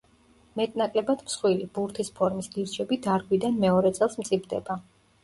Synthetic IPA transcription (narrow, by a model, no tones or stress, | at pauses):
mɛt̪ʼnakʼlɛbad̪msχwilibuɾt̪ʰispʰɔɾmisɡiɾt͡ʃʰɛbid̪aɾɡwid̪anmɛɔɾɛt̪sʼɛlˠsmt̪sʼibd̪ɛ̰ba